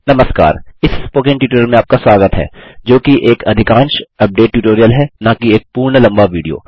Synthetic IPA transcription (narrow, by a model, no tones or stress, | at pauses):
nɐməska̰ːɾɪsspoːkɪ̃ŋʈjuːʈoːɾjəlmẽaːp̚kaswaːɡət̪ɦɛ̰ːd͡ʒoːkiʔeːkɐd̪ʱɪkãːnʃɐp̚ɖeːʈ̚ːjuːʈoːɾijəlɦɛnãːkieːk̚puːɾɳəlɐ̃mbaʋiːɖijo̰ː